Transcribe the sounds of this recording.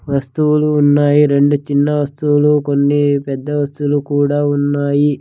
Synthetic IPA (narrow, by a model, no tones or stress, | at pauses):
ʋɐst̪uuluːnːaːjiɾe̞ɳɖut͡ʃinːɐʋɐst̪uwuluko̞nːipɛd̪ːɐʋɐst̪uulukuːɽaːunːaːji